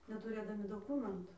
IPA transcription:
nʲɛtʊˈrʲeːdɐmʲɪ doːˈkuːmʲɛntʊ

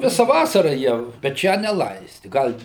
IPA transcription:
ˈʋʲɪsɐ ˈʋɑːsɐrɐ ˈjiɛ bʲɛt ˈʃʲæː nʲɛˈlˠɐɪsʲtʲɪ ˈɡɐlʲ

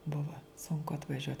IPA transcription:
ˈbʊʋɐ sʊŋˈkʊ ɐtʋɐˈʒʲuɔt

